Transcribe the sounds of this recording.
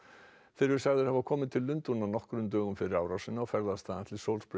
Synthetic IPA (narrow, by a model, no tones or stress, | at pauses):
fɪɾʏɾ̥saɣðʏɾ̥havakʰɔːmɪnt̪ʰɪlːʏnt̪unawnɔhkɾʏmt̪œːɣʏmfɪɾɪɾaːwɾawsɪnaɔfɛɾðaðst̪aːðant̪ʰlɪlsowlspɾ